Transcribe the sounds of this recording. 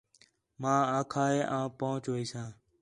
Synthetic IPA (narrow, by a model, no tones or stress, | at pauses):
mãːãːkʰaːeːʔãːpoːʊt͡ʃʋiːsãː